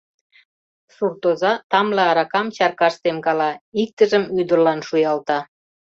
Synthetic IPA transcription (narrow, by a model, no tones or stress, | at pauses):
surt̪ozɑt̪ɑmleɑɾɑkɑmt͡ɕɑrkɑʃt̪emkɑlɑik̚t̪əʒəmyd̪ərlɑnʃujɑlt̪ɑ